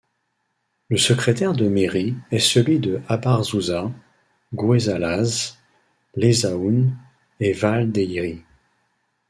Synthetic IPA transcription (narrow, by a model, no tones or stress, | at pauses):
ləsəkχet̪ɛʁd̪əmeʁiɛsəlɥid̪əabaʁzuzã | ɡwezalaz | lezaun | evald̪eiʁi